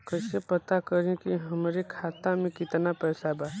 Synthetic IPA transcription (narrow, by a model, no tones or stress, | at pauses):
kəɪsepət̪akəɾẽkiɦəmɾekʰaːt̪amẽkɪt̪napɛːsabaː